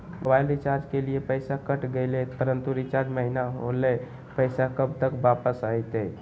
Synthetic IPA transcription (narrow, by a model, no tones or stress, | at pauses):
mobailɾit͡ʃaɾd͡ʒkeliepəɪsakəʈɡelepəɾənt̪uɾit͡ʃaɾd͡ʒməɦinaɦo̰le | pəɪsakəbt̪əkʋapəsajt̪e